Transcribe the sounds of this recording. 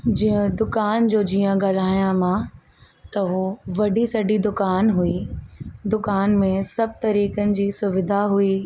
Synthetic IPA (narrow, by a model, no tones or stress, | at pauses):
d͡ʑiə̃d̪ʊkaːnd͡ʑoːd͡ʑiːə̃ɡaːl̤aːijãmã | t̪ɐɦoʋɐɖisɐɖid̪ʊkaːnɦuid̪ʊkaːnmẽsɐb̚t̪ɐɾiːkənɪ̆d͡ʑiːsʊʋɪd̪ʱaɦui